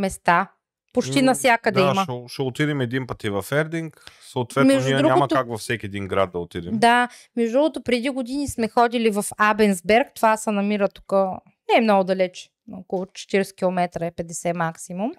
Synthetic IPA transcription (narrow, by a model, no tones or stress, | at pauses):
mɛst̪a | pot͡ʃt̪inɐfsʲjakəd̪ɛimɐɛʃɛot̪id̪ɛmɛd̪inpət̪ivɐfɛɾd̪iŋksoːt̪vvɛt̪mɛʒd̪ud̪ɾuɲamɐk̪akvɐfsɛkʲiɛd̪iŋɡɾad̪̚d̪ɐot̪id̪ɛmd̪a | mɛʒd̪uot̪opɾɛd̪iɡod̪inismɛxɔd̪ilivɐfabɛnzbɛɾkt̪ovasɐnɐmiɾət̪u̥kə | nɛɛmnɔɡʊd̪ɐlɛt͡ʃ | nokolˠot͡ʃɛ̥t̪iɾɛskʲilˠomɛt̪ɾəɛpɛd̪ɛsɛmaksimum